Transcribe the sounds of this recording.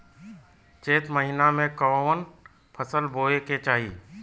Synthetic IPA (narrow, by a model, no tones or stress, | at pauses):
t͡ʃeːt̪məɦɪnamẽkɔʋən | pʰəsəlboːeket͡ʃaːɦiː